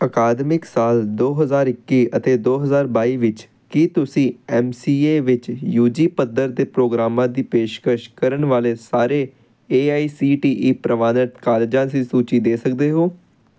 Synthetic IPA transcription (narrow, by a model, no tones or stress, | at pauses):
əkaːd̪mɪksaːld̪oːɦəzaːɾɪkːiːʔət̪eːd̪oːɦəzaːɾbaːiːʋɪt͡ʃ | kit̪ʊsĩːɛːmsiːeːʋɪt͡ʃjuːd͡ʒiːpəd̪əɾd̪eːpɾoːɡɾaːmãːd̪iːpeːʃkəʃkəɾəɳʋaːleːsaːɾeː | eːaːiːsiːʈiːʔiːpɾəʋaːnəʈ̪kaːleːd͡ʒãːsiːsuːt͡ʃiːd̪eːsək̚d̪eːɦoː